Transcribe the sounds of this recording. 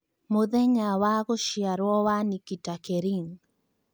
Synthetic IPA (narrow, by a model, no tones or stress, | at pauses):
moðɛɲawaɣoʃjaɾwɔwanikitakeɾiŋ